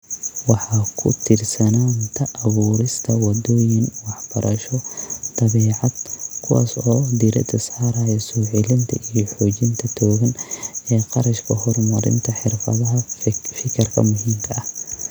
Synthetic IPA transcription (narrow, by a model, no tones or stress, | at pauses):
wɑħɑːkʰʊ̰t̪ʰɪrsɐnaːnt̪ʰɐʔːβuːɾɪst̪ʰɐwɑd̪ɔːjɪnwɑħbɐɾʔɐʃɔd̪̥ɑβɛːʕɑd̪kʰʊwa̰ːsɔːd̪iɾɐ̰d̪ʰɐsħɑɾaːjɛsɔːʕɪlɪnt̪ʰɐʔijɔħɔːt͡ʃɪnt̪ʰɐt̪ʰɔːɣɐnɛːqɑɾɐʃkʰɐhɔrmɐɾɪ̰nt̪ʰɐħɪrfɐ̰ðɐɦɐfɪkʰɐrkʰɐ̰mʊɦiːmkʰɐʔɐh